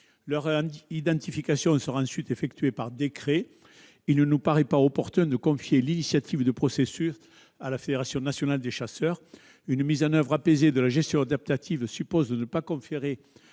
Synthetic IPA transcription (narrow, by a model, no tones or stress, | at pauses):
lœʁid̪ɑ̃t̪ifikasjɔ̃səʁaɑ̃sɥit̪efɛk̚t̪ɥepaʁd̪ekχe | ilnənupaʁɛpaɔpɔʁt̪ɛ̃d̪əkɔ̃fjelinisjat̪ʰivd̪əpχɔsesys | alafed̪eʁasjɔ̃nasjɔnald̪eʃasœʁ | ynəmizɑ̃nœvʁapezed̪əlaʒɛst̪jɔ̃ad̪ap̚t̪at̪ʰivəsypɔzd̪ənəpakɔ̃feʁe